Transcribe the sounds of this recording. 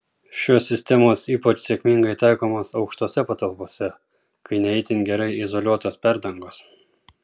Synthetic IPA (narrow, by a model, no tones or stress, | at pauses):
ʃʲoːsʲɪsʲt̪ʲɛmoːsiːpɐt͡ʃsʲɛkʲmʲɪŋɡɐɪt̪ɑɪkoːmoːsɒʊkʃt̪oːsʲɛpɐt̪ɐlˠpoːsʲɛ | kʰɐɪnʲɛɛɪt̪ʲɪnɡʲɛɾɐɪɪzolʲuɔt̪oːspʲæɾd̪ɐŋɡoːs